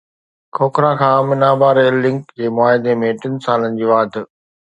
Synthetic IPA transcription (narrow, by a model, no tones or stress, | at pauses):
kʰoːkɾãkʰãːmɪnaːbaːɾelːɪ̃ŋkd͡ʑeːmʊaːɦɪd̪emẽʈɪn̆saːlənɪ̆d͡ʑiːʋaːd̪